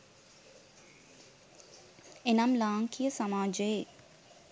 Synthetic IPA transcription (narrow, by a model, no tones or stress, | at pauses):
enamlaːŋkʰijəsamaːd͡ʒəje